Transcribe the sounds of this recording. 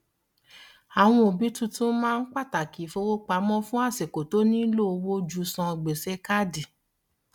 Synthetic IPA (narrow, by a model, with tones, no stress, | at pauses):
a˨w̃ɔ̃˧o˨bi˨˦tũ˦˧tũ˦mãː˦˧n̩˦k͡pa˦˨ta˨ki˨˦fo˧˦wo˦k͡pa˨˦mɔ̃˦fũ˦a˦˨se˨ko˨to˨˦nĩ˦lo˦o˧wo˦d͡ʒu˧˦sɔ̃˧ɡ͡be˨se˧ka˦di˨